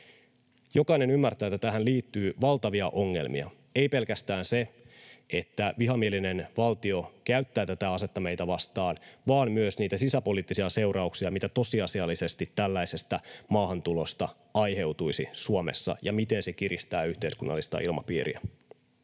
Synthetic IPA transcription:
jo̞kɑine̞nymːært̪æjːt̪ːæt̪æɦænliːt̪ːyːʋɑlt̪ɑʋiɑʔo̞ŋːe̞̰lmḭɑ̰ | e̞jpe̞lkæst̪æːnse̞ | e̞t̪ːæʋiɦɑmieline̞nʋɑlt̪io̞kæyt̪ːæːt̪æt̪æɑset̪ːɑme̞jt̪æʋɑst̪ɑːnʋɑːmmyøsniːt̪æsisæpo̞liːt̪ːisiɑse̞wɾɑuksiɑmit̪æt̪o̞siɑsiɑlːise̞st̪it̪ːælːæise̞st̪æmɑːhɑnt̪ulo̞st̪ɑ | ɑjɦe̞wt̪uisisuomḛsːɑ̰jɑ̰mit̪e̞nse̞kiɾist̪æːyht̪eiskunːɑ̰lːist̪ɑ̰ilmɑ̰pḭːɾḭæ̰

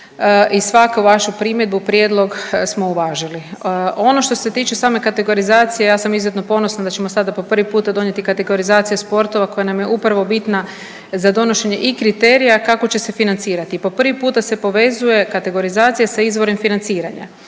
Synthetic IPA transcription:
isʋakauʋaʃupɾimjed̪bupɾjed̪lˠo̞ɡsmo̞uʋaːʒilio̞no̞ʃt̪o̞se̞t̪iːt͡ʃesaːme̞kat̪eɡo̞ɾizaːt̪sije̞jaːsamizjet̪no̞po̞no̞snand̪at͡ɕe̞mosad̪apo̞pr̩ʋipuːt̪ad̪o̞ɲe̞t̪ikat̪e̞ɡo̞ɾizaːt̪sijaspo̞ɾt̪o̞ʋako̞janamje̞ʔupɾaʋo̞bit̪na | zad̪o̞no̞ʃe̞ɲe̞ʔikɾit̪e̞ːɾijakako̞t͡ɕe̞se̞finant̪siːɾat̪ipo̞pr̩ʋipuːt̪ase̞po̞ʋe̞zuje̞kat̪e̞ɡo̞ɾizaːt̪sijasaizʋo̞ɾemfinant̪siːɾaɲa̰

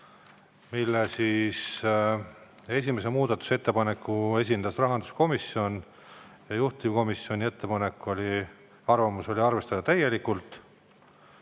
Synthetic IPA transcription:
milːesis | e̞s̬ʲimese̞muːd̪̥ɑt̪ːˑu̥se̞t̪ːe̞pɑne̞kːˑue̞s̬ʲind̪ɑsrɑɦɑnd̪̥u̥sko̞misːio̞n | jɑjuht̪imko̞misːio̞nʲie̞t̪ːe̞pɑne̞kːˑo̞lʲi | ɑrvɑmuso̞lʲiɑrve̞st̪ɑd̪̥ɑt̪æjːe̞likːult̪ˑ

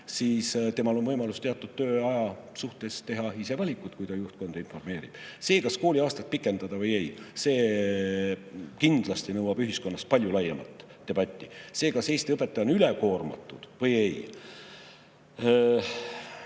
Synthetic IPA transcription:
siːst̪e̞mɑlo̞nvɤjmɑlust̪e̞ɑt̪ːˑud̪̥̚t̪ːø̞ːɑjɑsuht̪e̞st̪e̞ɦɑise̞vɑlʲikˑːut̪kujt̪ɑjuht̪̚ko̞nd̪̥info̞rme̞ːɾib̥se̞ːkɑsko̞ːlʲiɑːst̪ɑt̪̚pikːˑe̞nd̪̥ɑd̪̥ɑvɤje̞jse̞ː | kind̪̥lɑst̪inɤwɑb̥yɦisko̞nːɑst̪pɑlʲjulɑjːɑmɑt̪ː | e̞b̥ɑt̪ʲːise̞ːkɑse̞jst̪epˑːet̪ːˑɑonyleko̞ːrmɑ̰t̪ːˑud̪̥vɤjej

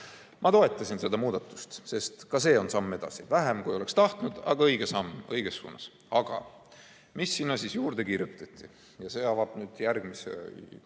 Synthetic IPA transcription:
mʔɑt̪o̞e̞t̪ˑːɑsinse̞d̪ɑmuːd̪̥ɑt̪ːˑu̥st̪se̞st̪kɑse̞ːo̞nsɑmːe̞d̪̥ɑ̰sivæɦemkujo̞le̞kst̪ɑht̪nud̪̥ɑ̰ɡ̥ɑɤjɡesɑmːɤ̞jɡ̥e̞sːṵːnːɑs | ɑɡ̥ɑ̰ | misːinːɑsisjuːɾd̪̥e̞kiːɾjut̪ːˑɑt̪ʲːˑi | jɑse̞ːɑvɑb̥nyːd̪̥jærɡ̥misḛ

